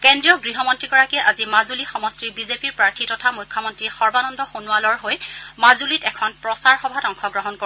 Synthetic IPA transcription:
kendɹijɔɡɹiɦɔmɔntɹiɡɔɹakɛʔazimazulixɔmɔstɹibizepiɹpɹaɹtʰitɔtʰamujkʰːɔmɔntɹixɔɹbanɔndɔxonualɔɹɦojmazulitɛkʰɔnpɹɔsaɹxɔbʱatɔŋxʰɔɡɹɔɦɔnko

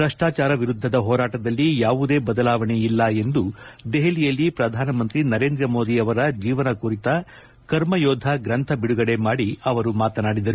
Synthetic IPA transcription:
ɾɐʂʈaːt͡ʃaːɾɐʋiɾud̪ʱːɐd̪ɐɦɔːɾaːʈɐd̪ɐlːijaːʋud̪e̞ːbɐd̪ɐlaːʋɐɳe̞ilːɐe̞nd̪ud̪eɦelijɐlːipɾɐd̪ʱaːnɐmɐnt̪ɾinɐɾeːnd̪ɾɐmo̞ːd̪iɐʋɐɾɐd͡ʒiːʋɐnɐkuɾit̪ɐ | kɐɾmɐjoːd̪ʱɐɡɾɐnt̪ʰɐbiɽuɡɐɽe̞maːɽiɐʋɐɾumaːt̪ɐnaːɽid̪ɐɾu

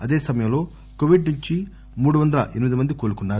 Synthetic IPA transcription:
ɐd̪eːsɐmɐjɐmlo̞ː | koʋiɖnuɲt͡ʃi | muːɽuʋɐnd̪ɐlɐ̰ʔenimid̪imɐnd̪ikoːlukuɳɖaːɾu

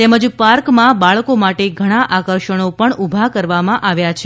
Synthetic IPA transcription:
t̪ɛməd͡ʒpaɾkmãbaɭkomaʈeɡʱəɽ̃aʔakəɾʃəɽ̃opəɳʔubʱakəɾʋamãʔaʋjat͡ʃʰ

